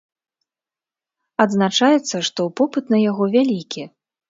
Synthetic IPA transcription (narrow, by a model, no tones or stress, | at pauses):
ɐd̪znat͡ʂajɛt̪sːɐʂt̪ɔwpɔpɨt̪nɐjaɣɔvʲalʲikʲi